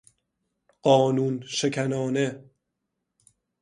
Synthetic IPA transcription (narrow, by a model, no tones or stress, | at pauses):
ɢ̥ɒːnuːnʃekʰænɒːne